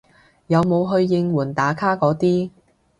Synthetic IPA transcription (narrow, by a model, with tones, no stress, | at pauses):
jɐ˨˧wmo˨˧wɦɵ˧ɥːɪ˧ŋwuː˨˩nt̪aː˨˥kʰaː˥kɔː˨˧˥t̪iː˥